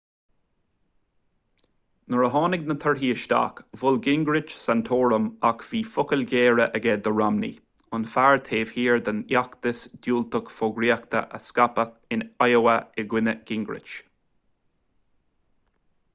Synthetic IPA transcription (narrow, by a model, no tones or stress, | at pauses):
nəɹəɦɑːnɪɡnət̪ʰəɹɦiːəʃt̪a̰ːkvʊlɡɪŋɡɾɪt͡ʃsant̪ʰoːɹəmakv̥iːfʊkəlɡeːɹəʔəɡɛd̪əɹamnḭ | ʊnfaɹt̪ʰeːv̥hiːɹd̪ənjakt̪əsd̪̥juːlt̪əkfoɡɾiəkt̪ə̰ʔə̰skapəkɪnajowəɪɡwɪnəɡ̥ɪŋɡɾɪ̰t͡ʃ